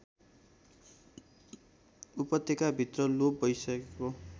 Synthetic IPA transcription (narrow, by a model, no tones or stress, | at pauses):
upʌt̪ːekabʱit̪rʌlop̚bʌjsʌkeko